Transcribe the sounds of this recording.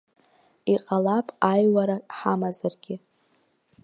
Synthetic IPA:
iqʼalapʼajwaɾaħamazarɡ̥ʲɪ

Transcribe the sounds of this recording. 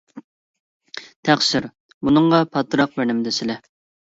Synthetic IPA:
t̪ʰæχʃɪɾ | munɨŋʁɑpʰɑt̪ːɾɑq̚bænɪmd̪ɪsɪlɛ

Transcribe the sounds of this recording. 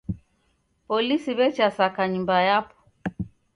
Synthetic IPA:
pɔlisiβɛt͡ʃasakaɲumbajapɔ̥

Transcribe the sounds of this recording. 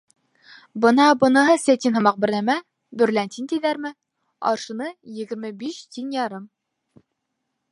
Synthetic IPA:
bɤ̆nɑbɤ̆nɤ̆ɦɤsæt̪inhɤ̆mɑq̚bɘ̆ɾlæmæ | bɵ̆ɾlænt̪int̪iðæɾmɘ | ɒ̰ɾʃɤ̆nɤjɘ̆ɡɘ̆ɾmɘbiɕt̪ʲinjɑɾɤm

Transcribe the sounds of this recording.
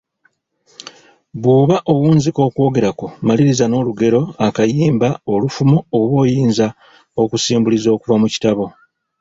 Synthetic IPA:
βuːβaʔowuːnziko̞ːkwo̞ːɡe̞ɾako̞maliɾizano̞ːluɡe̞ɾo̞akajiːmbao̞lufumooβo̞ːjiːnza | o̞kusiːmbulizo̞ːkuvamuci̥taβo̞

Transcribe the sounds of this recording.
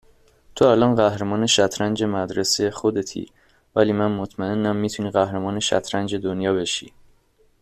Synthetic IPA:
t̪ʰoælɒːnɢæhɾemɒːne̞ʃæt̪ʰɾænd͡ʒe̞mæd̪ɾesejxod̪e̞t̪ʰḭ | væliːmænmot̪ʰmæe̞nːæmːiːt̪ʰuniːɣæhɾemɒːne̞ʃæ̰t̪ʰɾænd͡ʒe̞d̪onjɒːbe̞ʃḭː

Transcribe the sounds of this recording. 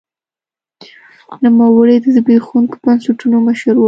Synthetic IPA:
nəmawəɽed̪əzɪbexuŋkbansaʈunoməʃəɾw

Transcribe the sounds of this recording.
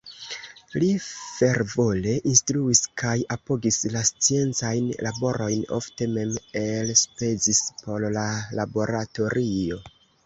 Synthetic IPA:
life̞ɾvo̞le̞ʔinstɾuiskajapo̞ɡislast͡sie̞nt͡sajnlʔabo̞ɾo̞jno̞̰fte̞me̞melspe̞zispo̞llalabo̞ɾato̞ɾʔio̞

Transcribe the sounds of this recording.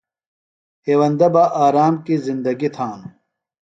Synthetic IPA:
heːwɐnd̪ɐbɐʔaːɾaːmkizind̪ɐɡit̪ʰaːnu

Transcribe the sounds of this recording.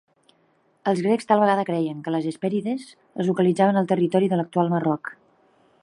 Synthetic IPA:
əlˠzɣɾɛkst̪alˠβəɣaðəkɾɛjəŋkələzəspɛɾiðəz | ə̰zlukəlid͡zaβənəlˠt̪ərit̪ɔɾiðələk̚t̪ualˠmərɔk

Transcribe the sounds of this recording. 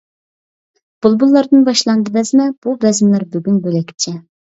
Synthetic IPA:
b̥ulˠbulˠːɑɾd̪ɨnbɑʃlˠɑnd̪ɨvɛzmɛb̥ubɛzmlæɾbyɡʲynbølɛkʲʰi̥p̚t͡ʃʰɛ

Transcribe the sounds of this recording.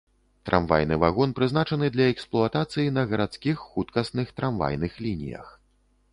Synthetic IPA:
t̪ɾʔa̰mva̰jnɨvaɣɔnpɾɨznat͡ʂɐnɨd̪lʲɐɛksplˠuɐt̪at̪sɨjin̪ɐɣɐɾat̪skʲixːut̪kɐsnɨxt̪ɾamva̰jnɨxlʲinʲḭjɐ̰x

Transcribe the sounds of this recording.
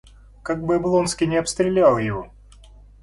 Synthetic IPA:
kaɡ̚bɨɐblˠo̞nskʲɪjnʲɪɐpst̪ɾʲɪlʲalˠjɪvo̞̰

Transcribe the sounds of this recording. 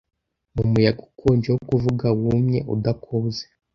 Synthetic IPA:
numujaɡukʰoːɲd͡ʒewokuvuɡawumɲe̞ʔudakʰoːze

